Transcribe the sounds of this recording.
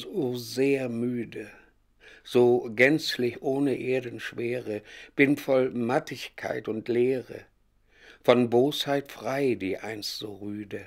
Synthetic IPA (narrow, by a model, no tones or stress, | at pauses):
zoːzeːɐmyːdə | z̥oːɡɛnt͡slɪçʔoːnəʔeːɐdən̩ʃv̥eːʁəb̥ɪnfɔlmatɪçkʰa̰ɪtʊntleːʁə̰ | fɔnboːshaɪtfʁ̥aɪdiːʔa̰ɪnstz̥oːʁyːdə